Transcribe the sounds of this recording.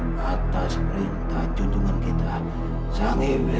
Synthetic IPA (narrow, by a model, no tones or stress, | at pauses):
at̪aspəɾint̪ahd͡ʒuɲd͡ʒuŋənkit̪a | saŋib